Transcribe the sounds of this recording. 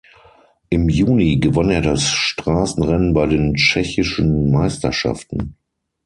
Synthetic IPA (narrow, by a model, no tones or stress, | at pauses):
ʔɪmjuːniɡəvaneːɐdasʃtʁ̥aːsn̩ʁɛnənbaɪdeːnt͡ʃɛçɪʃn̩maɪstɐ̰ʃa̰ftn̩